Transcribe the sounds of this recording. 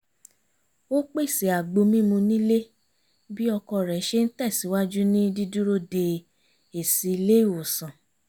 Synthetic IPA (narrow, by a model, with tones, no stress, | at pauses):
o˦k͡pe˦i˨si˨a˨ɡ͡bo˧mĩ˦mũ˧nĩ˦le˦ | bi˦ɔ˧kɔ˧˨ɾɛ˨˦ʃe˦n̩˦tɛ˦˨si˨˦wa˦d͡ʒu˦nĩ˦di˦du˦ɾo˦de˧ | e˨si˨i˧le˦i˦˨wo˨sã˨